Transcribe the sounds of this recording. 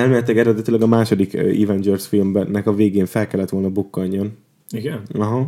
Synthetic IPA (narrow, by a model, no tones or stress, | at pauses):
ɛlmeːnɛt̪lɛɡɛɾɛd̪ɛt̪ilɛɡɒmaːʃo̞d̪ikḭvɛnd͡ʒɛrsfilmbnːɛkɒveːɡeːnfɛlkɛlːɛt̪ʋo̞lnɒbukːɒɲːon | iɡɛnɒɦɒ